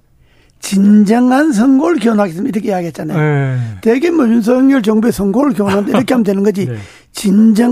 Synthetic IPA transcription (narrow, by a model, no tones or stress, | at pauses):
t͡ɕind͡ʑʌŋans̬ʰʌŋɡoɭkiwonɦaɡes̬͈ɯmiɾʌkʰeijaɡiɦet̚t͡ɕ͈ana̰jjoteɡemod͡ʑuns̬ʰʌjʌŋɲjʌɭt͡ɕʌŋbesʰʌŋɡoɯɭkiwonɦandiɾʌkʰeɦamdenɯnɡʌd͡ʑi | t͡ɕind͡ʑʌ